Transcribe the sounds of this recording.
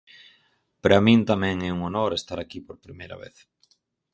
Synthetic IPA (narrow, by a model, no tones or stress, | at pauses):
peɾamĩnt̪amɛ̃ŋɛuŋonoɾest̪aɾakipoɾpɾimejɾa̰βḛθ